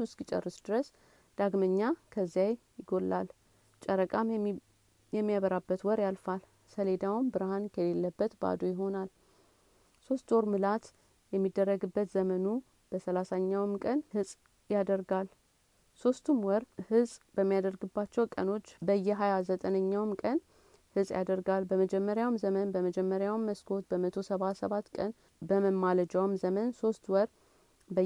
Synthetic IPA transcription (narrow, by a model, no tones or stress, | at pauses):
uskʼit͡ʃʼə̰rːɨsd̪ɨɾəs | d̪̥aɡməɲːakʰəzːijajjɪɡo̞lːʔal | t͡ʃʼəɾəkʼam | jɛmːijaβəɾabːət̪wɔɾjalfal | səle̞d̪awmbɨɾhankʰəlelːəbːət̪ba̰d̪ojɪɦo̞nal | so̞st̪oɾmɨlat̪ | jɛmːid̪ːərːəɡɨbːət̪zəmənu | b̥əsəlasaɲːawɨmkʼənhɨsʼ | jad̪əɾɡal | so̞st̪ʰumwɔɾhɨsʼb̥əmːijad̪əɾɡɨbːat͡ʃːɛwkʼə̰no̞t͡ʃːbəjɛɦajazət̪ʼənəɲːawmkʼən | hɨsʼja̰d̪əɾɡalbəməd͡ʒɛmːəɾjawmzəmənbəməd͡ʒɛmːəɾjawmːəskʰo̞t̪bəmət̪ʰo̞səβasəβat̪ːkʼən | bəməmːaləd͡ʒawmzəmənso̞st̪wɔɾ | bə